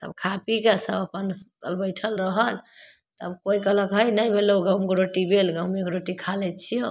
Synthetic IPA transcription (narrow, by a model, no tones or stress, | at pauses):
t̪ə̰bkʰapikesə̰bəpənkə̰lbəjʈʰəlɾəɦəl | t̪əbkoikələkɦəjnəjbʱelouɡəumkɾoʈibelɡeumekɾoʈikʰalɛt͡ʃʰijõ